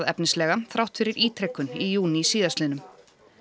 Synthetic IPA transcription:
ðɛ̰pnɪslɛːɣaθɾawht̪fɪɾɪɾʔiːt̪ɾɛkːʏnijuːnisiːðast̪ɪnʏm

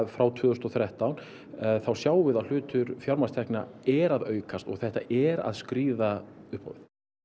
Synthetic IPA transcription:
fɾawt̪ʰvʏːʏst̪ɔθɾɛht̪awn | θawsjaːwvɪðawl̥ʏːt̪ʏɾfjawɾmḁst̪ʰɛhknaɛɾaðœːɥkast̪ɔ̰ɣθɛht̪a̰ʔɛɾa̰ðskɾiːðaʏhpa̰wvɪθ

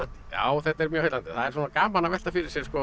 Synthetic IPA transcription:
t̪ɪ̥ja̰ːwθɛt̪ːɛɾmjœːheːt̪lanɪθaðɛɾsɔːnakaːmanːavɛ̥t̪afɪɾɪɾ̥sjɛɾskɔ

